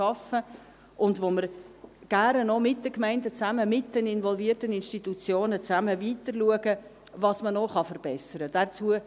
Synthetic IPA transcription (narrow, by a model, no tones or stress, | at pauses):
ɑfə | ʔʊndʋoməɾɡ̥ærənɔmɪt̚d̥əkmɛɪndət͡sæməmɪt̚d̥ənɪnvɔlviətənɪnʃtitut͡sjoːnət͡sæməviːtəɾluəɡə | vɑsmənoχɑfəɾb̥ɛsəɾəd̥ɛt͡suə